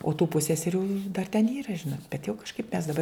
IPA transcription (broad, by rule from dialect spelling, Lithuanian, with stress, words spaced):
oː tuː ˈpʊsʲsʲɛsʲɛrʲuː dɐr tʲɛn ˈiːrɐ ˈʒʲɪnoːt bʲɛt jɛʊ kɐʃˈkɐɪp mʲɛs dɐˈbɐr